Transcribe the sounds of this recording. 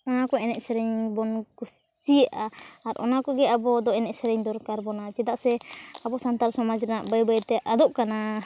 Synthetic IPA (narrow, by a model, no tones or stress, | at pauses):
ɔnakɔɛnɛʔsɛɾɛɲbɔnkus | siɛʔaːɾʔɔ̰nakɔɡɛabɔd̪ɔɛnɛʔsɛɾɛɲd̪ɔɾkaɾbɔnad͡ʒɛd̪aʔsɛabɔsant̪aɾsɔmad͡ʒɾɛnaʔbəjbajt̪ɛʔad̪ɔʔkana